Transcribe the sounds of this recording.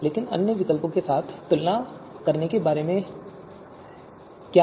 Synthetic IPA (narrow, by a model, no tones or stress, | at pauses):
leːkɪnɐ̰njəʋɪkəlpõkesaːt̪ʰːʊlna | kɐɾnekebaːɾemẽ | kja